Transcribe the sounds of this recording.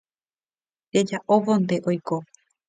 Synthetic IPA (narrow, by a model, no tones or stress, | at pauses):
ɾed͡ʒaʔoʋõnd̪eʔojko